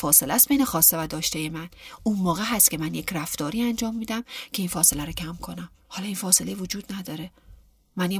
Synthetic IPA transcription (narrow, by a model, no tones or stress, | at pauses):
fɒːselæst̪bejnexɒːsːevæd̪ɒːʃt̪ejemænʔunmɒːɣeɦæst̪cʰe̞mænjecʰræft̪ɒːɾiːænd͡ʒɒːmːiːd̪æmcʰe̞infɒːse̞læɾocʰæmkʰo̞næmhɒːlɒinfɒːse̞levod͡ʒuːd̪næd̪ɒːɾe | mænje